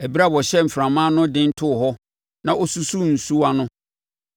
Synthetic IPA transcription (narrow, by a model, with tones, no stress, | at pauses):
æ˨bi˦ɾa˦˨bɔ˨ɕɛ˦m̩˨fɾã˨mã˦nʊ̃˦dɪ̃˦n̩˦tʰʊ˦˨ɦɔ˦ | nã˨ʔo˦su˦su˦n̩˨su˦a˦nʊ̃˦